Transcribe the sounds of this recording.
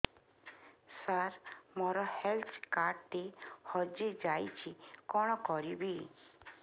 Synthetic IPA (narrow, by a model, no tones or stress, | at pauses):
saɾmɔɾɔhelt̪ʰkaɾɖt̪ihɔd͡ʒed͡ʒajt͡ʃʰikɔɽ̃ɔkɔɾibi